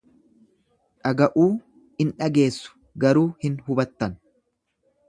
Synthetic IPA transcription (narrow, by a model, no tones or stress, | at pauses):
ᶑɐɡɐʔuː | ɪnᶑɐɡe̞ːsːʊ̥ | ɡɐɾuːhɪnɦʊbɐt̪ːɐn